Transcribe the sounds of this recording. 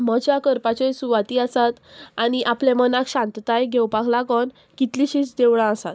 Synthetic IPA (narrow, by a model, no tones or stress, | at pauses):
məd͡ʑakəɾpat͡ɕesuʋat̪iːəsat̪añiʔaplẽmənakɕãnt̪t̪ajɡʱewpaklaɡən | kit̪liɕit͡sd̪eʋɭãəsat̪